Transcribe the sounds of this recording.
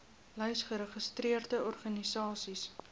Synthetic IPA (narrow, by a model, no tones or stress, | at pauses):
lœɥsχəɾəχəstriərdəɔrχɐnisɑːsis